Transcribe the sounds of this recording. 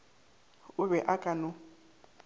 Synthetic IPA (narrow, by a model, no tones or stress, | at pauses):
ʊβɛʔakʼanʊ